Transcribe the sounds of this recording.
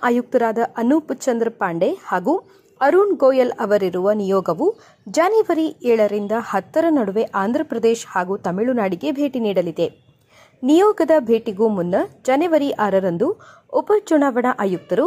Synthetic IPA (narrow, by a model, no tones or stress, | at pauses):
ʔaːjuk̚t̪ɐɾaːd̪ɐʔɐnuput͡ʃɐnd̪ɾɐpaːɳɖe̞haːɡu | ɐɾuːnɡoːjɐlɐʋɐɾiɾuʋɐnijɔːɡɐʋu | d͡ʒaːniʋɐɾiɛːɭɐɾind̪ɐhɐt̪ːɐɾɐnɐɽuʋe̞ʔaːnd̪ʱɾɐpɾɐd̪eːʃhaːɡut̪ɐmiɭunaːɽiɡe̞bʱe̞ːʈiniːɽɐlid̪e̞ | nijɔːɡɐd̪ɐbʱe̞ːʈiɡumunːɐd͡ʒaniʋɐɾiʔaːɾɐɾɐnd̪u | ɔpɐt͡ʃuɳaːʋɐɳɐʔaːjuk̚t̪ɐɾu